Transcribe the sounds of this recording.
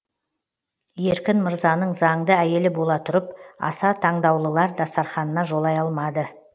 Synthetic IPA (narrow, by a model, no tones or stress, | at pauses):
je̞ɾkʲɪnməɾzɑnəɴzɑɴd̪əæje̞lɪbo̞lˠɑt̪ʰʊɾəpɑ̰sɑt̪ʰɑɴd̪ɑwlˠəlˠɑɾd̪ɑst̪ːɑɾχɑnənɑʒo̞lˠɑjɑlˠmɑd̪ə